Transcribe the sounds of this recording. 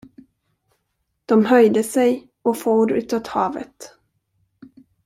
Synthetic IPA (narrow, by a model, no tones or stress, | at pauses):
d̪̥ɔmɦœjd̪əsɛj | ɔfoːɾʉ̟ːt̪ɑt̪hɑːvə̰t̪